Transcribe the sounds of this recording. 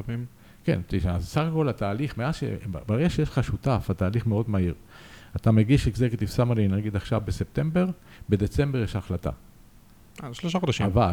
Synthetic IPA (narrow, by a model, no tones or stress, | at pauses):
vim | kḛntiʃazsaχako̞lhat̪aːliχmeazʃḛb̰baʁeɡaʃejeʃl̥χaʃut̪afhat̪aːliχmeo̞d̪maiʁ | at̪ameɡiʃikzeket̪ifsamaninaɡid̪aχʃavbesep̚t̪e̞mbe̞ʁ | be̞d̪e̞t͡se̞mbejeʃaχlat̪a̰ | aʃloʃaχod̪aʃiava